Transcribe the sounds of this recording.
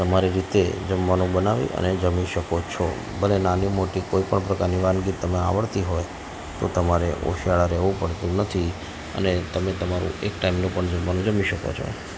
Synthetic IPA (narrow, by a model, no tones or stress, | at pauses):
t̪əmaɾiɾit̪ed͡ʒəmʋanũbənaʋḭʔə̰ned͡ʒəmiʃəkot͡ʃʰo̰ | bəlenanimoʈikoipəɳpɾəkaɾniʋãnɡit̪əmea̰ʋəɭt̪iɦoj | t̪ot̪əmaɾeʔo̰ʃijaɭaɾɛʋũpəɽt̪ũnət̪ʰi | ə̰net̪əmet̪əmaɾṵ̃ekʈaimnũpəɳd͡ʒəmʋanũd͡ʒəmiʃəko̰t͡ʃʰo̰